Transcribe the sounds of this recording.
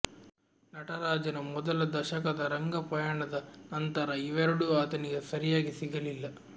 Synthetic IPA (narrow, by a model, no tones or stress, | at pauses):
nɐʈɐɾaːd͡ʒɐnɐmɔd̪ɐlɐd̪ɐʃɐkɐd̪ɐɾɐŋɡɐpɐjaːɳɐd̪ɐnɐnt̪ɐɾɐiʋɐɾɐɽuaːt̪ɐniɡesɐɾijaːɡisiɡɐlilːɐ